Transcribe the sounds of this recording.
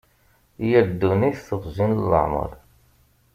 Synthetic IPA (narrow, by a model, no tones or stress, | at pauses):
jæɾd̪ːuniθθəʁzinlːə̰ʕmə̰ɾˤ